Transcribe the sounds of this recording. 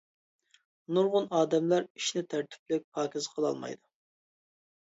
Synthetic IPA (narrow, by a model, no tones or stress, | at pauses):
nuɾʁʊnɑːd̪ɛmlæɾiʃnɪt̪ʰæɾt̪ʰy̥p̚lɪk̚ʲpʰɑːkʲizqʰəlˠɑ̰lˠmɑ̰jd̪u